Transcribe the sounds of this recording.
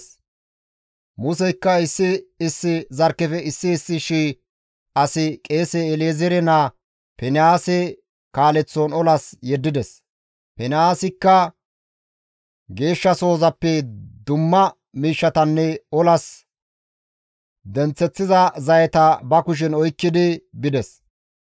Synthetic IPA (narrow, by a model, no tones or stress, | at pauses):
mʊsɛjkːɐɪsːɪːsːɪzɐɾkːɛfɛɪsːɪːsːɪʃiː | ɐsɪkʼe̞ːsɛːlezɛɾɛnɐ | pɛnɪaːsɛ | kaːlɛt͡sːonɔlɐsjɛd̪ːɪd̪ɛs | pɛnɪaːsɪkːɐ | ɡe̞ːʃːɐso̞ːzɐpːɛd̪ʊmːɐ | miːʃːɐt̪ɐnːɛɔlɐs | d̪ɛnt͡sːɛt͡sːɪzɐzɐjɛt̪ɐbɐkʊʃ̬ɪnɔjkːɪd̪ɪbɪd̪ɛs